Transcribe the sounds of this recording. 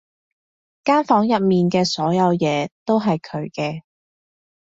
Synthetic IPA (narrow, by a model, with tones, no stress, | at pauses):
kaː˥nfɔː˨˥ŋjɐ˨p̚miː˨nkɛː˧sɔː˨˥jɐ˨˧wjɛː˨˧t̪o˥wɦɐ˨jkʰɵ˨˧ɥkɛː˧